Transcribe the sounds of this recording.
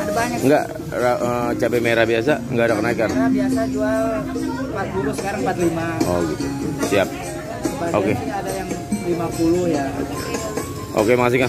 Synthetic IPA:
adabaɲakŋɡa̰ʔ | ɾaʔət͡ʃapemeɾabias̬aŋɡadakənaikanɾabiasad͡ʒualmpat̪̚pulʊhsə̥kaɾaŋəmpat̪limaɔɡit̪usiap̚ | əbaokeadajaŋlimapulʊhjao̰kḛ | ʔo̰kemas̬ika

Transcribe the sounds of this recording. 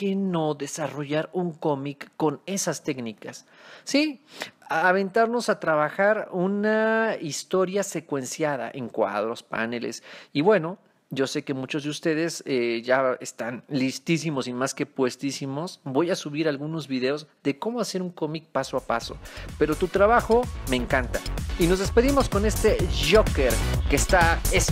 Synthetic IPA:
keno̞ðe̞saro̞ʝaɾuŋko̞mikːo̞ne̞sast̪e̞knikasː | i | aβe̞nt̪aɾno̞sat̪ɾaβaxaɾunaist̪o̞ɾjase̞kwe̞nsjaða̰ʔeŋkwa̰ðɾo̞spa̰nelḛsiβwe̞no̞ | ɟ͡ʝo̞se̞ke̞mut͡ʃo̞zðust̪e̞ðe̞seʝaḛst̪anlist̪is̬imo̞simaske̞pwe̞st̪isimo̞sbo̞jasuβiɾalɣuno̞zβiðe̞o̞zðe̞ko̞moase̞ɾuŋko̞mik̚pasoapaso̞̰pe̞ɾo̞t̪ut̪ɾaβaxo̞me̞ːŋkant̪aino̞zðe̞spe̞ðimo̞sko̞ne̞st̪e̞ʝoke̞ɾkest̪aes

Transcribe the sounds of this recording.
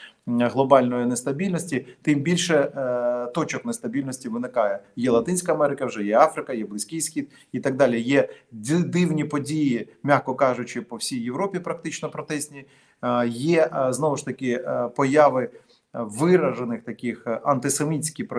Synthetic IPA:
ɦlˠɔbɑlʲnɔjɪnest̪ɐbʲilʲnɔsʲtʲit̪ɪmbʲilʲʃɛt̪ɔt͡ʃɔknest̪ɐbʲilʲnɔsʲtʲiʋɪnɪkɑjɛjɛlˠɐt̪ɪnʲsʲkɐɐmɛɾɪkɐwʒɛjɛɑfɾɪkɐjɛblˠɪsʲkʲɪjsʲxʲid̪̚ | it̪ɐɡ̚d̪ɑlʲijɛd̪ɪwnʲipɔdʲijimʲaxkɔkɑʒʊt͡ʃɪpɔwsʲijːewɾɔpʲipɾɐk̚t̪ɪt͡ʃnɔpɾɔt̪ɛsʲnʲi | jɛznɔʋʊʃt̪ɐkɪpɔjaʋɪ | ʋɪɾɐʒenɪxt̪ɐkʲɪxɐnt̪ɪsemʲitʲt͡sʲkʲɪpɾɔ

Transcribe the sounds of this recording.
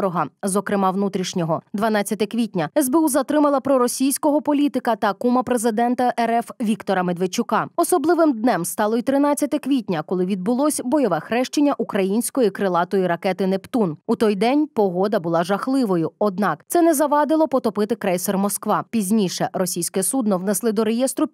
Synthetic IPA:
ɾɔɦɐzɔkɾɪmɑʋnut̪ɾʲiʃnʲɔɦɔd̪ʋɐnɑt͡sʲːɐt̪ɛkʋʲit̚ʲnʲɐɛzbeuzɐt̪ɾɪmɐlˠɐpɾɔɾɔsʲijsʲkɔɦɔpɔlʲit̪ɪkɐt̪ɐkumɐpɾezɪd̪ɛnt̪ɐʔɛɾɛfʋʲikt̪ɔɾɐmed̪ʋet͡ʃʊkɑɔsɔblˠɪʋɪmd̪nɛmst̪ɑlˠɔit̪ɾɪnɑt͡sʲːɐt̪ɛkʋʲitʲnʲɐkɔlˠɪʋʲid̪̚bʊlˠɔsʲbɔjɔʋɛxɾɛʃt͡ʃenʲːɐʔukɾɐjinʲsʲkɔjikɾɪlˠɑt̪ɔjiɾɐkɛt̪ɪnept̪unut̪ɔjd̪ɛnʲpɔɦɔd̪ɐbʊlˠɑʒɐxlˠɪʋɔjʊɔd̪̚nɑkt̪sɛnɛzɐʋɑd̪ɪlˠɔpɔt̪ɔpɪt̪ɪkɾɛjsɛrmɔskʋɑpʲizʲnʲiʃɛrɔsʲijsʲkɛsud̪nɔwnɛslˠɪd̪ɔɾejɛst̪ɾʊ

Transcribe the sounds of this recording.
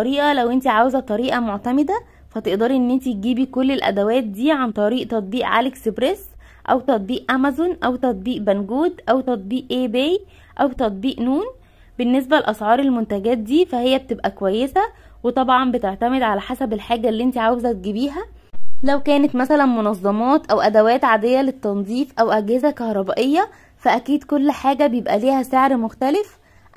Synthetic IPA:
ɑɾiːʔɑlæwʔent̪iʕaːwezæt̪ˤːɑɾiːʔɑmoʕt̪æmed̪æ | fæt̪eʔd̪ɑːɾˤiʔenːʔent̪it̪̚ɡiːbikolːelʔæ̰d̪æwæːt̪̚d̪iːʕant̪ˤɑɾiːʔt̪ɑt̪̚ˤbiːʔʕa̰ːleksbɾes | ʔæ̰wt̪ɑt̪̚ˤbiːʔʔæmæzonʔæwt̪ɑt̪̚ˤbiːʔbænɡuːd̪ʔæwt̪ɑt̪̚ˤbiːʔʔebej | ʔæwt̪ɑt̪̚ˤbiːʔnuːn | benːes̬bælʔɑsʕɑːɾˤelmont̪æɡæːt̪̚d̪iːfæhejːæb̚t̪ebʔækowæjːesæ | wet̪ˤɑbʕɑmbet̪eʕt̪æmed̪ʕalæħasæbelħaːɡælːiʔent̪iʕaːwezæt̪̚ɡibiːɦæ | læwkæːnet̪mæsælænmonɑzˤːɑmɑːt̪ʔæwʔæd̪æwæːt̪ʕad̪ejːælet̪ːɑnzˤiːfʔæwʔæɡhezækɑhɾˤɑbæʔejːɑ | fæʔækiːd̪kolːħaːɡæbejebʔæliːhæseʕɾmoxt̪ælef

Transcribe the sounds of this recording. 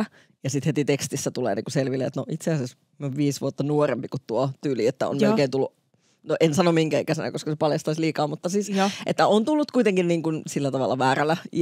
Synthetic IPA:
jɑsit̪het̪it̪ekst̪isːæt̪ulḛːnḭŋkuselʋilːˑeːt̪noʔit̪seæses | mioʋʋiːsʋuot̪ːɑnuorempikut̪t̪uot̪yːliet̪ːæo̰nolkeːnt̪ulːuʔ | noʔensɑnomiŋkæikæsenæ̰koskɑsepɑljɑst̪ɑisliːkɑːmut̪ːɑsiːsʔet̪ːæont̪ulːut̪kuit̪eŋkinniːŋkunsilːæt̪ɑʋɑlːˑɑʋæːrælæ

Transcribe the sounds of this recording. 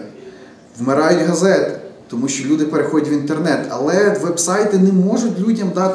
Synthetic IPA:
ʋmɪɾɑjʊtʲɦɐzɛt̪ɪt̪ɔmuʃʲt͡ʃɔlʲud̪ɪpeɾexɔdʲɐtʲʋʲint̪ernɛt̪ɐ̰lˠɛʋɛbsɑjt̪ɪnɛmɔʒʊtʲlʲudʲɐmd̪ɑt̪

